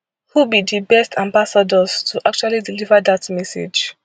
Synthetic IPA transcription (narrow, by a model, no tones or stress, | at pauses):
hubidibɛstʰãmbasadɔz̥tʰuʔak̚t͡ʃualidilivədatmɛsḛd͡ʒ